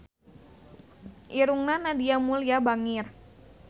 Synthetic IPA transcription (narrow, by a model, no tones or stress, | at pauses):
ʔiɾuŋnanadiamuliabaŋir